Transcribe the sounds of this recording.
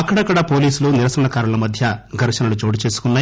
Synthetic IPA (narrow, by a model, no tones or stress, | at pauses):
ɐkːɐɽɐkːɐɽɐpo̞ːliːsuluniɾɐsɐɐɳɐkaːɾɐlɐmɐd̪ʱjɐɡʱɐɾʂɐnɐlut͡ʃo̞ːʈit͡ʃe̞ːsu̥kunːaː